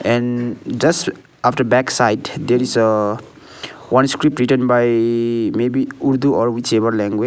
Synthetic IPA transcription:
ɛ̃nd͡ʒʌs | apʰfʈəɾbɛksajdd̪eɾis | wʌnskɾip̚ʈɾiʈənbajmebiuɾd̪uʔɔɾwit͡ʃebʌɾlɛ̃ŋɡwe

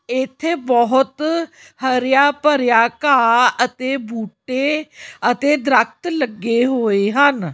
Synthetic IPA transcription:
ɪt̪ʰːeːbɔɦʊt̪ | həɾjaːpəɾjaːkaːət̪eːbʱuːʈːeːət̪eːd̪ɾək̚t̪ləɡːeːɦoːeːɦən

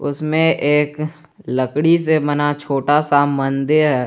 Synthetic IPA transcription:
ʊ̰smẽʔeːk | ləkɽisemɐnat͡ʃʰoːʈasamɐnd̪eɦɛː

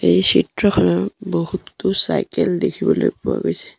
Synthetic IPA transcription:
ejsitɹɔkʰɔnɔbohut̪ːusa̰jkɛldekʰibɔlojpʊa̰ɡojsɛ̥

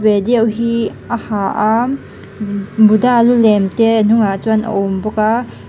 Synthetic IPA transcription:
bediawɦi | ahaʔa | budalulemtenuŋat͡ʃwana̰wmbɔka

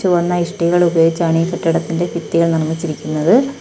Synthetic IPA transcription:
uʋɐnːɐiʂʈiɣɐɭubɐjoːɡit͡ɕːaːɳikɐʈːɐɽɐt̪ːinde̞pit̪ːiɣɐɭnɐrmit͡ɕːiɾikʲːunːɐðɨ

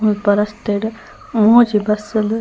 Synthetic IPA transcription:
ulpɐɾɐst̪eɽ | moːd͡ʒibɐsəl

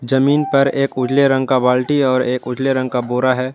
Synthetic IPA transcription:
d͡ʒɐmiːnpɐɾeːkʊd͡ʒleɾɐ̃ŋɡkabaːlʈiɔːɾeːkʊd͡ʒleɾɐ̃ŋɡ̚kaboːɾaɦɛː

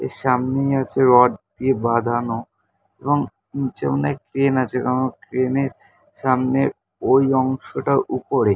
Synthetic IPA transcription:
ḛʃamnejat͡ɕʰeɾɔɖ̚d̪iebad̪ʱano | eboŋ | nit͡ɕḛonekɾenat͡ɕʰekanokɾeneɾ | ʃamne | ojɔŋʃoʈaʔupoɾe

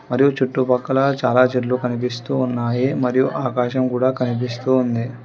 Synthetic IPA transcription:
mɐɾijut͡ʃuʈːupɐkːɐlɐt͡ʃaːlaːd͡ʒeʈlukɐnip̬ist̪uːnːaːjimɐɾijuʔaːkaːʃɐmkuːɽaːkɐnip̬ist̪uːnd̪i

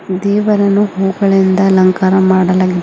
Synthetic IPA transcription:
d̪ɛːʋɐɾɐnːuɦoːɡɐɭind̪ɐlɐŋkaːɾɐmaːɽɐlaːɡi

